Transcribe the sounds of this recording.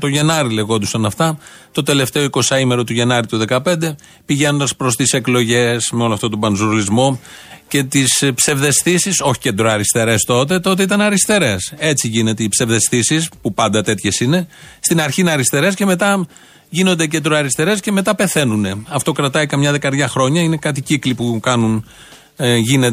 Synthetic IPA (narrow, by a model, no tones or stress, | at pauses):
t̪o̞ʝe̞nɐɾile̞ɣo̞nd̪usɐnɐft̪ɐ | t̪o̞t̪e̞le̞ft̪e̞oiko̞sɐime̞ɾo̞t̪uʝe̞nɐɾit̪uðe̞kɐpe̞nd̪e̞ | piʝe̞no̞nd̪ɐspɾo̞st̪ise̞klo̞ʝe̞smeo̞loɐft̪o̞t̪obɐnzuɾlizmo̞ce̞t̪ispse̞vðe̞sθisiso̞çi̥ce̞d̪ɾoɐɾist̪e̞ɾe̞st̪o̞t̪e̞t̪o̞t̪eit̪ɐnɐɾist̪e̞ɾe̞se̞t͡siʝine̞t̪eipse̞vðe̞sθisispupɐnd̪ɐt̪e̞t̪çe̞sine̞st̪inɐɾçinɐɾist̪e̞ɾe̞sce̞me̞t̪ɐ | ʝino̞nd̪e̞ce̞nd̪ɾoɐɾist̪e̞ɾe̞sce̞me̞t̪ɐpe̞θe̞nune̞ɐft̪o̞kɾɐt̪ɐikɐmɲɐðe̞kɐɾðʝɐxɾo̞ɲɐine̞kɐt̪iciklipukɐnun | ʝinet